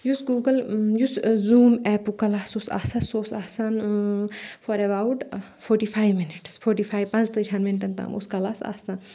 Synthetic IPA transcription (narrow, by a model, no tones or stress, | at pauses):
jusɡuːɡəljuszuːmɛːpukɐlaːsusa̰ːsɐsoːsaːsan | fɔɾɛbaːwʈ | fʰoːʈiːfʰaːjʋmɪnɪʈsfʰoːɾʈifʰaːjʋpɐ̃nd͡ʒt̪ɨt͡ʃʰɐnmɪnʈ̪ɐnt̪a̰mṵskɐlaːsa̰ːsan